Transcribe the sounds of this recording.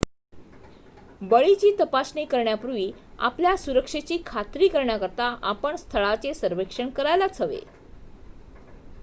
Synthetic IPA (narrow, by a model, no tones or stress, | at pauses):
bəɭit͡ɕiːt̪əpasɳikəɾɳjapuɾʋiːa̰pljasuɾəkʂet͡ɕiːkʰat̪ɾiːkəɾɳjakəɾt̪aʔapəɳst̪ʰəɭat͡sesəɾʋekʂəɳkəɾajlat͡sʰəʋḛ